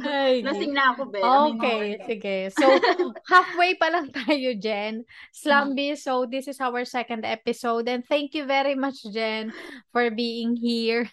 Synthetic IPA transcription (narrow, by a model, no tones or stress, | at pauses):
alɐsɪŋnɐɐkobɛokejsɪɡɛsowhafwejpɐlɐŋt̪aːjod͡ʒɛnslambisowd̪ɪsɪsawəɹsɛkɐ̃nd̪ɛpɪsowd̪ɛ̃nd̪̚θɛ̃ŋkjuvɛɾimɐt͡ʃd͡ʒɛnfɔɹbiːɪ̃ŋɦiɹ